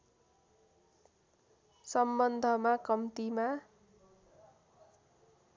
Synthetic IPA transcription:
sʌmbʌnd̪ʱʌmakʌmt̪ima

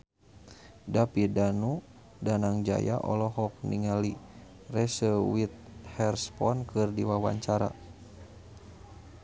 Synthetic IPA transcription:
dapidanu | danaŋd͡ʒa̰ja̰ʔɔ̰lɔɦɔk̚niŋali | rɛsəwit̪̚hɛrspɔnkɨrdiwawa̰ɲt͡ʃaɾa̰

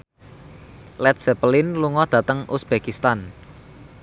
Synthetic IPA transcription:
lɛt̪̚sɛpəlɪnluŋɔd̪̥ä̤t̪əŋʔusb̥ekist̪an

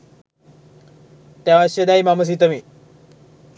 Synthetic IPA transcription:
t̪jãʋãɕed̪aːimaməs̬it̪̬əmiː

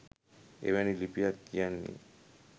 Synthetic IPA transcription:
ḛβenilipiakianːḭ

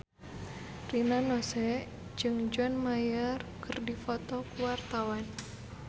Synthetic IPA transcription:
rinanɔsɛ | d͡ʒɨŋd͡ʒanmajərkɨrdifɔt̪ɔkuwart̪awan

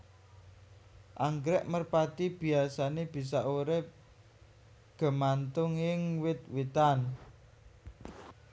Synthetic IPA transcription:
ʔaŋɡɾɛʔmərpat̪ib̥i̤asaneb̥i̤s̬aʔoɾɪp | ɡ̥ə̤mant̪ʊŋɪŋwɪt̪̚wit̪an

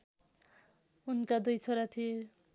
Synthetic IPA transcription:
unkad̪ujt͡sʰʌɾat̪ʰijo

